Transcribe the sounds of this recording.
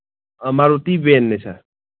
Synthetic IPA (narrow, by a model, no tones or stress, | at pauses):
maɾut̪ibenːesʰa̰